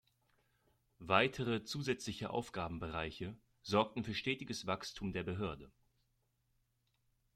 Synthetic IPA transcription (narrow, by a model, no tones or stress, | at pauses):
vaɪtʰəʁət͡suːzɛt͡slɪçəʔa̰ʊfɡ̥aːbm̩bəʁaɪçə | z̥ɔɐk̚tn̩fyːɐʃtɛːtɪɡəsv̥akstʰuːmdeːɐbəɦøːɐdə